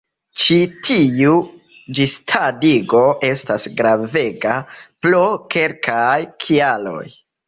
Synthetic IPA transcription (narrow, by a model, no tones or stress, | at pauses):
t͡ʃitʰiu | d͡ʒistʰadiɡo̞ʔe̞stasɡɾave̞ɡaploke̞lkʰajkʰialo̞̰j